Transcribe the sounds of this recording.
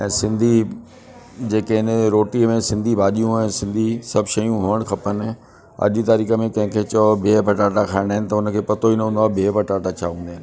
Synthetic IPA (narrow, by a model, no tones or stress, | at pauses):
ɛ̃ːsɪ̃nd̪ʱi | d͡ʑeːkeɦɪnɾoːʈimẽsɪ̃nd̪ʱibʱaːʄijũɛ̃ːsɪ̃nd̪ʱisɐbʱʃɐjũɦoəɽ̃xʰɐpənɪ | ɐ̰ʄt̪aːɾiːxəmẽkɐ̃ɦɪ̃kʰeːt͡ɕɐbʱeːbʱɐʈaːʈakʰaːɪɽ̃aːɦɪnɪ̆t̪ɐʊnəkʰeːpɐt̪oinəɦũːnd̪abʱeːbʱɐʈaːʈat͡ɕʰaːɦũːnd̪aːɪnɪ̆